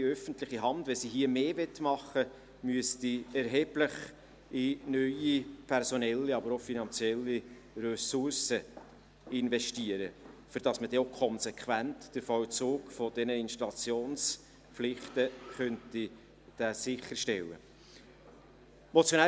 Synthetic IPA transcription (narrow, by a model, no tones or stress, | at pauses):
iœfəntlɪχiɦɑndʋɛsiɦiəmeːvɛtmɑχːə | myəstiɛɾɦɛːblɪχ | ɪnœʏipʰɛɾsɔnɛlːiɑbəɾofinɑnt͡sjɛlːi | ɾøsʊɾsə | ɪnvɛʃtiəɾəfʏɾd̥ɑsməd̥ɛokʰɔnsɛkχʋæntd̥əɾfɔwt͡soːkfɔd̥ɛnəɪnʃtɑlɑt͡sjoːns | pflɪχtəχœnti | d̥æsɪχəɾʃtɛlːə̰ | mɔt͡sjonæ